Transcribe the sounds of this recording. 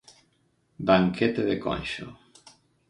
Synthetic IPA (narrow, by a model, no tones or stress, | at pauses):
baŋkʰet̪eðeko̰nʲʃo̰